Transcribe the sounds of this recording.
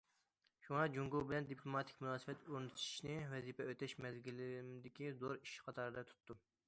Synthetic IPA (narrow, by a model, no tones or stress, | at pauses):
ʃuŋɑd͡ʒuŋɡulbɪlɛnd̪ipʰlˠomɑt̪ʰɪ̥kʲmunɑːsɨ̥bɛt̪uɾnɨt̪ʃi̥ʃnɪwɛzipɛøt̪ɛʃmɛzɡʲilɪmd̪ɪkʲizoɾiʃqʰɑt̪ʰɑɾd̪ɑt̪ʰu̥t̪ːu